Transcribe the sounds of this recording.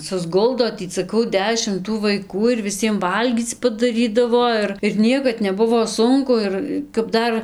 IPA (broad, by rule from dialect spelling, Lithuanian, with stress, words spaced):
sʊzˈɡʊlˠdoː ˈtʲiː sɐˈkɐʊ ˈdʲæːʃʲɪm tuː ʋɐɪˈkuː ɪr ʋʲɪˈsʲiɛm ˈʋɐlʲɡʲiːt͡s pɐdɐˈrʲiːdɐʋoː ˈɪr ɪr ˈnʲiɛkɐt nʲɛˈbʊʋoː ˈsʊŋkʊ ˈɪr kɐp ˈdɐr